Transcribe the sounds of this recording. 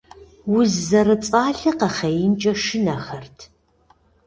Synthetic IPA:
wʊzːɐrɨt͡sʼaːɮɨqɐχɐjɪnt͡ʃʼɐʃɪnɐχɐrtʰ

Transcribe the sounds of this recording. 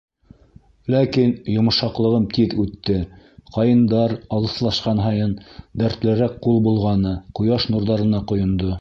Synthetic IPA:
lækinjŏmɤ̆ʃɑqlˠɤ̆ʁɤmt̪iðʉt̪ːɘ | qɑjɤ̆nd̪ɑɾɑlˠɤ̆slˠɑʃqɑnɦɑjɤnd̪æɾt̪lɘ̆ɾæk̚qulˠbulˠʁɑnɤqŏjɑʃnuɾðɑɾɤ̆nɑqŏjŏnd̪o

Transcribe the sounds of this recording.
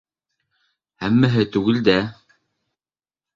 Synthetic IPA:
hæmːæɦɘt̪ʉɣɘ̆ld̪æ

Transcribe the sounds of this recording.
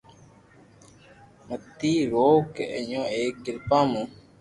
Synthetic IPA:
mət̪ːiːɾoːkeə̰ɲõːeːk̚ɡɪlpãːmũː

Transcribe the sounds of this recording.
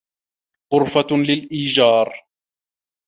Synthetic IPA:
ɣʊɾfalɪlʔiːd͡ʒɑːɾˤ

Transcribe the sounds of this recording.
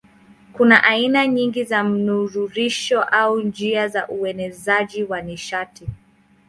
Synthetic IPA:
kunaʔainaɲiŋɡizam̩nuɾuɾiʃɔʔaund͡ʒiazaʔuɛnɛzaʄiwaniʃati

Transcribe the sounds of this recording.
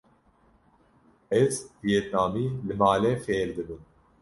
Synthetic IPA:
ɛzbijeːt̪̚naːmiːlɨmaːlɛfeːɾd̪ɨbɨn

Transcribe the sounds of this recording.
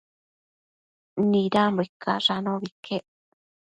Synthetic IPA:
nĩɾambʷekːa̰ʐanõβikʰeʔ

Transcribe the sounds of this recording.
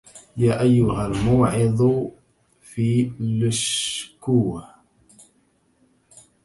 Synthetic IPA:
jaːʔajːʊɦalmʊːʕɪd̪ˤ | fiːlʊʃkuː

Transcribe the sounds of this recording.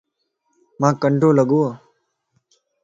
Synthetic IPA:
mãːkəɳɖʱõːləɡoːaː

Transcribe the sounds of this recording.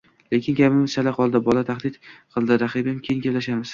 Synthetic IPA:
le̞kʲʰɪnɡʲapɪmɪz̥t͡ʃʰalaqʰɒlˠd̪ɪbɒlat̪ʰaχd̪ɪt̪qʰɨlˠd̪ɪɾaχibɪmkʲʰejŋɡʲaplaʃamɪz̥

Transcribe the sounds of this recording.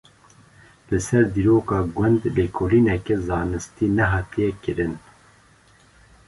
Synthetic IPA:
lɨsɛɾd̪iːɾoːkɑːɡʷɛnd̪beːkʰoːliːnɛkɛzɑːnɨst̪iːnɛɦɑːt̪ijɛkɨɾɨn

